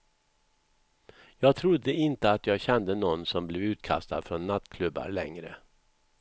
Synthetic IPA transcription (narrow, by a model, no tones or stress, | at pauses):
jɑːɡ̚t̪ʰɾʊd̪ːəɪnt̪əat̪jɑːɡɕɛnd̪ənɔnːsɔmblɛvʉ̟ːt̪kʰa̰st̪a̰d̪fɾɔnːat̪kʰlɵbːa̰ɾɭɛ̰ŋɾə̰